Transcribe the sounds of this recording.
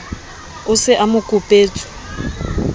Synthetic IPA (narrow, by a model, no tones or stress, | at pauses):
ʊsɪʔamʊkʼʊpʼeːt͡sʼʊ̥